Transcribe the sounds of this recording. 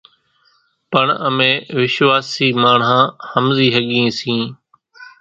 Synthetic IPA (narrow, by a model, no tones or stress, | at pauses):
pəɳəmẽːʋɪʃʋaːsiːmaːɳɦãːhəmziːɦəɠĩːsĩː